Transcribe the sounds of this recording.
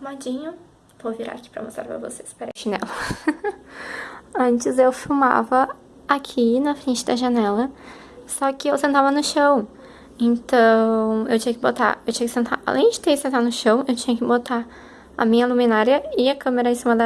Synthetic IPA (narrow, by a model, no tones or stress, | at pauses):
umad͡ʒĩɲʊ | vowviɾa̰ki̥pɾɐ̰vosa̰ɾpɾɐ̰vo̰sespeɾeʒinɛ̰lɐ | ɐ̃nt͡ʃɪzewfuma̰vɐ | akʰinɐfɾẽnt͡ʃɪd̪ɐʒanɛlɐ | sɔkɪewsẽnt̪avɐnʊʃɐ̃w̃ | ẽnt̪ɐ̃w̃ḛwt͡ʃĩɲɐkɪbot̪a̰ewt͡ʃĩɲɐkɪsẽnt̪a̰ɾʔa̰lʔẽj̃d͡ʒɪt̪eɾsẽnt̪aɾnʊʃɐ̃w̃ewt͡ʃĩɲɐkɪbot̪a | ɐ̰mĩɲɐlumĩnaɾiɐɪɐkɐ̃meɾɐẽsĩmɐd̪ɐ